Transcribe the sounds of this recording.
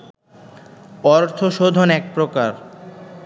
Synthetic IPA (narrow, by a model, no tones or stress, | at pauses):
ɔɾt̪ʰoʃod̪ʱonɛk̚pɾokaɾ